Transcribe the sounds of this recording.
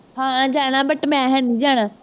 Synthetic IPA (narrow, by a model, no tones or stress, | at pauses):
ɦãːd͡ʒaːɽ̃ãːbəʈmɛ̃ːɦɛ̃ːnd̪iːd͡ʒaːɽ̃ãː